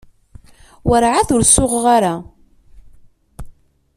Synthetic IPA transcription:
wəɾʕaθʊɾsʊʁʁaɾa

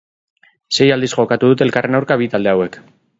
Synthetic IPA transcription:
se̞jald̪isʝo̞kat̪uðut̪elkare̞nawɾkaβit̪ald̪e̞awe̞k

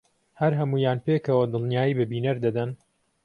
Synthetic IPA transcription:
hɐɾɦɐmuːjaːnpeːkɐwɐd̪ɨlˠnijaːjiːbɨbiːnɐɾd̪ɐd̪ɐn

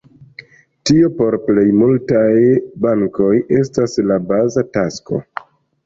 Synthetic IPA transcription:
tio̞po̞ɾple̞jmultajbaŋko̞jʔe̞staslabazatasko̞̰

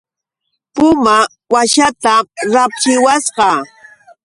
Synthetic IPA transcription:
pʊma | waʃat̪aɾapt͡ʃɪwasɢɑ

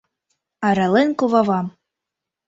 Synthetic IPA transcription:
ɑɾɑlenkovɑvɑm

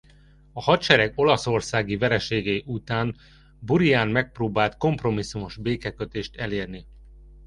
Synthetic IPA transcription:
ɒhɒt̪t͡ʃɛɾɛɡo̞lɒso̞rsaːɡivɛɾɛʃeːɡeʔut̪aːn | buɾijaːnmɛk̚proːbaːlt̪ko̞mpro̞misːumo̞ʒbeːkɛkøt̪eːʃt̪ɛleːrni

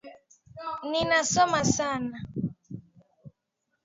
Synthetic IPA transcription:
ninasɔmasana

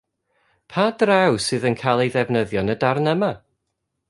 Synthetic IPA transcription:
pʰadrawsɨːðənkʰajlˠejðɛvnəðjɔnədarnəma

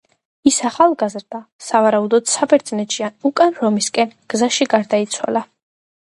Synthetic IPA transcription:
isaχalˠɡazɾd̪asavaɾaud̪ɔd̪̥sabɛɾd̪znɛt̪ʃianukʼanɾɔmiskʼɛnɡ̥zaʃiɡaɾd̪ait̪sʰwa̰lˠa

